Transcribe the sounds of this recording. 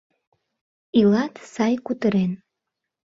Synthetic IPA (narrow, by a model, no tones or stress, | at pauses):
ilɑt̪sɑjkut̪əɾen